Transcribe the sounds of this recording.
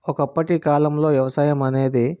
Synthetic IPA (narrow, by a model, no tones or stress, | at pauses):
ɔkɐpːɐʈikaːlɐmlo̞ːʋjɐʋɐsaːjɐmɐne̞ːd̪i